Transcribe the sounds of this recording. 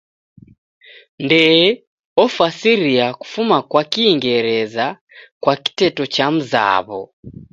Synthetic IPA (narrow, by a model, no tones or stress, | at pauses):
ndɛ | ɔfasiɾiaku̥fumakwakiːŋɡɛɾɛza | kwaki̥tɛtɔt͡ʃam̩za̰βɔ̰